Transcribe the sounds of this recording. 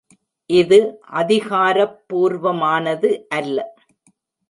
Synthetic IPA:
ʔɪðɯʔɐðɪɣaːɾɐpːuːɾʋɐmaːnɐðɯʔɐlːɐ

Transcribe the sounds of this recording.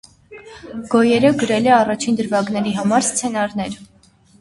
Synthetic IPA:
ɡ̥ɔjɛɾəɡəɾɛlɛɑrɑt͡ʃʰind̪əɾvɑɡnɛɾiɦɑmɑɾst͡sʰɛnɑɾn̪ɛɾ

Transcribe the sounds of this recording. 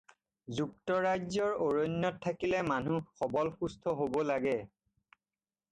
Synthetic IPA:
zuk̚tɔɹajzɔɹoɹojnːɔtʰːakilɛmanuxɔbɔlxustʰɔɦobɔlaɡɛ

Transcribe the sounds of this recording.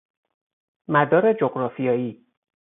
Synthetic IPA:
mæd̪ɒːɾe̞d͡ʒoɡɾɒːfijɒːjiː

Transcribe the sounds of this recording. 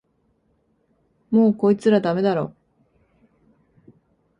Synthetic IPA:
mo̞ːko̞it͡sɨɾad̪ame̞d̪aɾo̞̰

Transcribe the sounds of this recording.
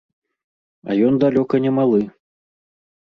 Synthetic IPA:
ɐ̰jɔnd̪alʲɔkɐnʲɛmalˠɨ

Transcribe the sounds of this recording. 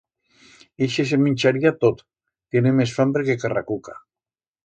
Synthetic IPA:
eʃes̬emĩnʲt͡ʃaɾiat̪ot̪ | t̪jenemes̬fambɾekekara̰kuka

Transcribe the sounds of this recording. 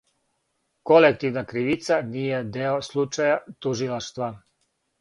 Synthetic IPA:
kolek̚t̪iʋnakɾiʋit̪sanijed̪eoslˠut͡ʃajat̪uʒilˠaʃt̪ʋa

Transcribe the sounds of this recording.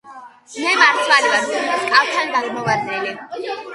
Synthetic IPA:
mɛmaɾt̪ʰvalivaɾʰkʼaft̪ʰand̪aɡmɔvad̪nɛli

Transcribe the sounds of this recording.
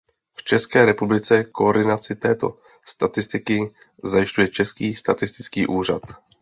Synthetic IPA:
ft͡ʃɛskɛːɾɛpublɪt͡sɛkooɾdɪnat͡sɪt̪ɛːt̪o̞̰ | st̪at̪ɪst̪ɪkɪ | zajɪʃcujɛt͡ʃɛskiːst̪at̪ɪst̪ɪt͡skiːʔuːr̝at̪

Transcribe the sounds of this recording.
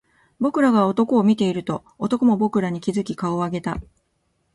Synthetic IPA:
bo̞kɯ̟ɾaɡao̞t̪o̞ko̞ːmʲit̪e̞iɾɯ̟t̪o̞ːt̪o̞ko̞mo̞bo̞kɯ̟ɾaɲ̟ikʲizɨkʲikao̞aɡe̞t̪a

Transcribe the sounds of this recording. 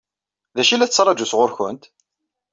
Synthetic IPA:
ðæʃilæt͡sːt͡sːɾˤɑd͡ʒusʁʊɾçʊnt̪

